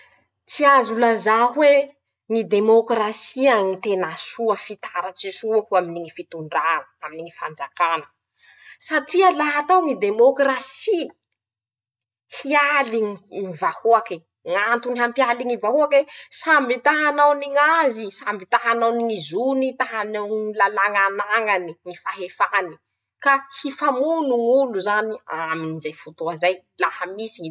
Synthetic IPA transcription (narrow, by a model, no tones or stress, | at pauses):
t͡siazulazaɦwe | ŋid̪emokrasiaŋit̪enasuəfit̪aɾət͡sisuakuaminiŋifit̪uɳɖ͡ʐanəaminiŋifand͡zakanə̥ | saʈ͡ʂialaɦat̪awŋid̪emokrasi | hialiŋiŋivahuaki | ŋant̪uniɦampialiŋivahuakesambit̪aɦanawniŋazisambit̪aɦanawniŋizunit̪aɦanawŋilalaŋanaŋaniŋifaɦefani̥ | kahifamunuŋuluzaniaminizajfut̪oazaj | lahəmisi